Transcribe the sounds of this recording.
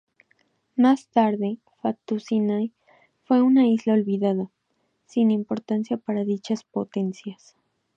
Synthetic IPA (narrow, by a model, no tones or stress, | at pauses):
mast̪aɾðe | fat̪usinaj | fwe̞unaizlaolβiðaða | sinimpoɾt̪ansjapaɾaðit͡ʃaspot̪ensjas